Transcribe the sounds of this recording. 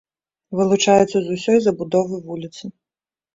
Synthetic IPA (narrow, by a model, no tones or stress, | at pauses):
ʋɪlˠʊt͡ʃajɛt̪sʲːɐzusʲɔjzɐbʊd̪ɔvɨʋulʲit̪sɨ